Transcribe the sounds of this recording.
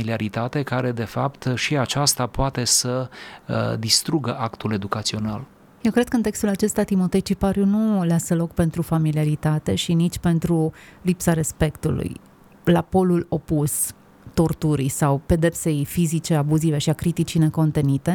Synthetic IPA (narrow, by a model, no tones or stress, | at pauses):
iliaɾit̪at̪e̞kaɾe̞d̪e̞fapt̪ʃiat͡ʃast̪apoat̪e̞sə | d̪ist̪ɾuɡəʔakt̪ule̞d̪ukat̪sio̞nal | je̞wkɾed̪kəɨnt̪ekst̪ulat͡ʃe̞st̪at̪imo̞t̪e̞t͡ʃipaɾjunuleasəlo̞kpe̞nt̪ɾufamiliaɾit̪at̪e̞ʃinit͡ʃʲpe̞nt̪ɾulipsaɾe̞spe̞kt̪ṵlṵj | lapo̞lulo̞pus | t̪o̞rt̪uɾḭjsawpe̞d̪e̞pse̞jfizit͡ʃe̞abuzive̞ʃiakɾit̪it͡ʃine̞ko̞nt̪e̞nit̪e̞